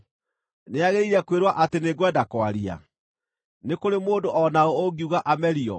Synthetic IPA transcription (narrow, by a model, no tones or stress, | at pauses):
neaɣeɾiɾɛkweɾwaʔateneɡwɛdakwaɾia̰ | nekoɾemoːndoʔɔnaooɡiuɣaʔamɛɾiɔ̰